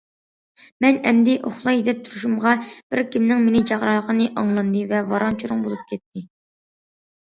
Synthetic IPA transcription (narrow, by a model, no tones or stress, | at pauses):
mɛnɛmd̪ɪʔoχlˠɑjed̪ɛp̚t̪ʰuɾuʃumʁɑb̥ɪɾkʲʰimnɪŋmenɪd͡ʒɑʁɾɑəqʰənɨʔɑŋlˠɑnd̪ɨvɛvɑɾɑŋt͡ʃʰuɾʊŋbolˠup̚kʲʰɛt̪ʰːɪ